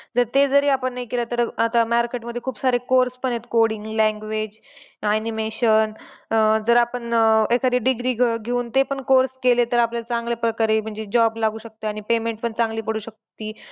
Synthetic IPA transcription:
d͡zəɾt̪ed͡zəɾiːapəɳːajkelat̪əɾat̪amaɾkeʈməd̪ʱːjekʰuːbsaɾekoɾspəɳet̪koɽiŋɡlɛ̃ŋɡʋed͡ʑ | animeɕən | d͡zəɾapəɳekʰad̪iːɖiɡɾiːɡʱɡʱeuːnt̪epəɳkoɾskelet̪əɾapljalat͡sãŋɡlepɾəkaɾem̤əɳd͡zed͡ʑɔblaɡʱuːɕək̚t̪eaɽ̃ipemẽɳʈpəɳt͡sãŋɡliːpəɽ̤uːɕək̚t̪iː

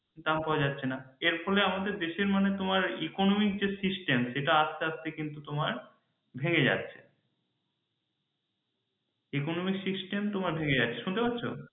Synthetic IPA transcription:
d̪ampɔad͡ʑat̪ːɕʰenaeɾfɔleamad̪eɾd̪eʃeɾmanet̪omaɾekonomik̚d͡ʑesisʈemʃeʈaast̪east̪ekint̪ut̪omaɾ | bʱeŋed͡ʑa̰t̪ːɕʰe̥̰ | ekonomiksisʈemt̪omaɾbʱeŋed͡ʑatːʰeʃunt̪epatːɕʰo̰

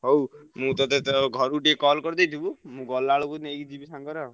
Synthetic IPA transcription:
ɦowmũt̪ɔt̪et̪ɡʱɔɾuʈiekɔlkɔɾd̪ejt̪ʰibumũɡɔlaɭukunekid͡ʒibisaŋɡɔɾa

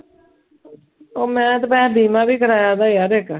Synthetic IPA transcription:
oːmɛ̃ːt̪pɛ̃ːbʱiːmãːbiːkəɾaːjaːd̪aːjaːɾeːk

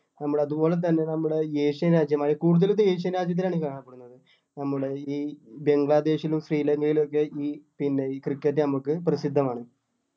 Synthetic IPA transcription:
nɐmːuɽɐðubo̞ːle̞t̪̬ɐnːe̞nɐmːuɽe̞jeːʂjɐnɾaːd͡ʑjɐmaːjikuːɽuðɐlut̪ːeeːʂjɐnɾaːd͡ʑjɐt̪̬ːilaːɳikaːɳɐpːeɽunːɐðɨ | nɐmːuɽe̞iːbe̞ŋɡɭaːd̪e̞ːʂilumsriːlɐŋɡɐjilokːe̞iːpinːe̞krikːet̬ːɨnɐmukːɨprɐsid̪ʱːɐmaːɳɨ

